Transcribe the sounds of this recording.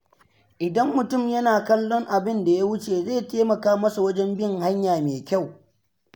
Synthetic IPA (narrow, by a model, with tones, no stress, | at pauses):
ʔɪ˨dɐ˦mːʊ˨tʊ˦˨mjɐ˦naː˨kɐ˦lːɔ˦ŋʔa˨bɪ˦nda˨ja˦wʊ˦t͡ʃeː˨zeː˦˨teː˦mɐ˨kaː˦mɐ˦su˨wɐ˦d͡ʒɛ˦mbɪ˦ŋha˦ɲjaː˨meː˨kʲa˦˨w